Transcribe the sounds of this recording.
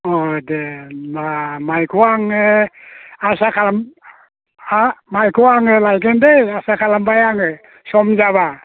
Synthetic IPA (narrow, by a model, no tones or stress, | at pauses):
ɔdemamajkʰuaŋe | asakʰalam | majkʰuwaŋɯlajɡendeasakʰalambajaŋɯ | sɔmd͡ʒaβa